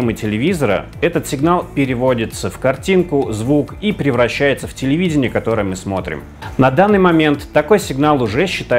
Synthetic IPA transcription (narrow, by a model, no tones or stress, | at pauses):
emɨtʲɪlʲɪvʲizəɾə̰ | ɛt̪ət̪sʲɪɡnalˠpʲɪɾʲɪvo̞dʲɪt̪səfkɐrtʲinkʊzvukipɾʲɪvɾɐɕːæjɪt̪səftʲɪlʲɪvʲidʲɪnʲɪjəkɐt̪o̞ɾɨjəmɨsmo̞t̪ɾʲɪ̰m | nɐd̪anːɨjmɐmʲe̞nt̪ːɐko̞jsʲɪɡnalˠʊʐɛɕːɪt̪a